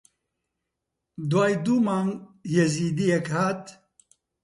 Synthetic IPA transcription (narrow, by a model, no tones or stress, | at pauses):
d̪waːjd̪umaːŋjɛziːd̪ijɛkhaːt̪